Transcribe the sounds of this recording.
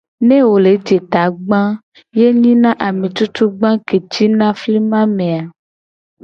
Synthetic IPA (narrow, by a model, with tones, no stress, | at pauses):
nẽ˦wo˨le˨˦d͡ʒe˨t̪a˨ɡ͡bã˦ | je˦ɲĩ˦nã˦ʔa˨mẽ˨t͡ʃu˦t͡ʃu˦ɡ͡bã˦ke˨t͡ʃi˦nã˦fli˦mã˦mẽ˨a˨